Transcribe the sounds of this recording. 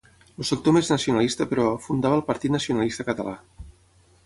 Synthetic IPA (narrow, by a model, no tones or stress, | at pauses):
lusək̚t̪omeznəsiunəlist̪əpɾɔfund̪aβəːlˠpəɾt̪it̪nəsiunəlist̪əkət̪əla